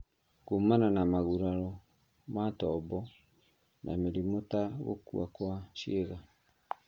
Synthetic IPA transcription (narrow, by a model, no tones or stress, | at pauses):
kumananamaɣuɾaɾɔ | matɔbɔ | nʔa̰meɾimotaɣo̰kṵa̰kwaʃieɣa